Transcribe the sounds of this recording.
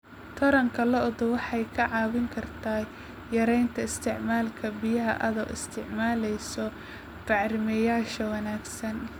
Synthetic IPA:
t̪ʰɐɾɐŋkʰɐlɐʊðʊwɑħɑjkʰɐʕɑːβɪŋkʰɐrt̪ʰaː | jɐɾɛjnt̪ʰɐɪst̪ʰɪʕmaːlkʰɐbɪjɐɦɐ̰ʔɐðɐwɪ̰st̪ʰɪʕmaːlɛjsɔ | fɑʕrɪmɛjaːʃɐwɐnaːɡsɐn

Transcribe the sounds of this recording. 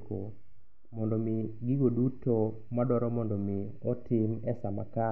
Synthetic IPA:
ko | mɔndɔmɪɡɪɡoduto | madɔɾɔmɔndɔmɪ | ɔtɪmɛsama̰ka

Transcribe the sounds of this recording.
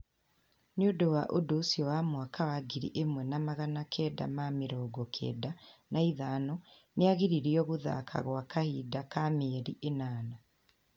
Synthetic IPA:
nodowaʔodosiowamwakawaɡiɾḭʔemwɛnamaɣanakʰeda̰mamiɾoːɡokʰḛːdanaiðano | neaɣiɾiɾiɔɣuða̰kʰa̰ɣwakahiːdakameɾiʔenaːna

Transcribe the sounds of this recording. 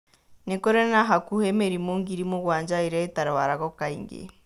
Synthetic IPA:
nekoɾenaɦakuhemeɾimoŋɡiɾimoɣwaːɲd͡ʒaiɾeetaɾewaɾaɣɔkaiŋɡḛ

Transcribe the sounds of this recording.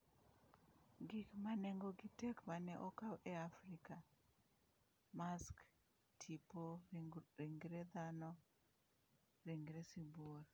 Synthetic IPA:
ɡɪkmanɛŋɡoɡɪtɛkmanɛʔɔkawʔɛafɾika | mask | tʰipo | iŋɡɾed̪anɔ | ɾiŋɡɾesibuor

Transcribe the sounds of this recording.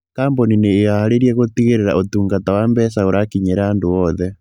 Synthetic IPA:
kaːmbonineːɣahaɾeɾiɛɣot̪iɣeɾeɾa̰ʔotuːŋɡatawambɛsaoɾʔakiɲeɾaandoɔðɛ

